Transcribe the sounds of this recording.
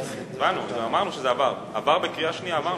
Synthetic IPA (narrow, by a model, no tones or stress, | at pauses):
vanuilamaʁnuʃezeavaʁ | avaʁbekʁiaʃnijaːvaʁ